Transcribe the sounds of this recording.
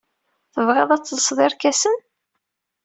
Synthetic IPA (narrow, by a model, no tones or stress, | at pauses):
θəvʁæðˤæt͡sːzəsðˤɪɾkæsən